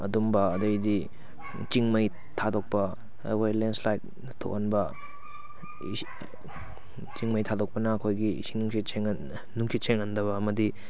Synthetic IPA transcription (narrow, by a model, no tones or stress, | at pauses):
ɐ̰dumbɐɐdɐjdi | t͡ʃiŋmɐj | tʰadok̚pɐ | kʰojlenslajt̚ | tʰo̰kɐnbɐ | t͡ʃiŋmɐjtʰadok̚pɐnɐːkʰojɡiḭsinuŋkʰieŋ | nuŋsʰit͡ʃʰeŋɐndɐβɐːmɐdi